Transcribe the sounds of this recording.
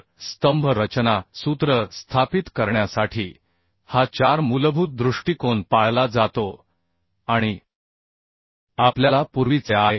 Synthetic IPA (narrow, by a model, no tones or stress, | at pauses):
st̪əmbʱəɾət͡ɕnasut̪ɾəst̪ʰapit̪kəɾɳjasaʈʰiː | hat͡ɕaɾmulbʱut̪̚d̪ɾuʂʈikonpaɭlad͡zat̪o | aɽ̃i | apljalapuɾʋit͡seaj